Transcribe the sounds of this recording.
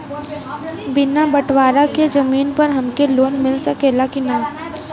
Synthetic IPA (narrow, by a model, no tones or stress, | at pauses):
bɪnabɐʈʰʋaːɾaked͡ʒɐmiːnpɐɾɦɐmkeloːnmɪlsɐkeːlakina